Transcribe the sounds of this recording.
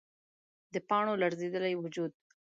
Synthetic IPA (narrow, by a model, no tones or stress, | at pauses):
d̪əpɑɳolaɾzed̪əlajwʊd͡ʒud̪̚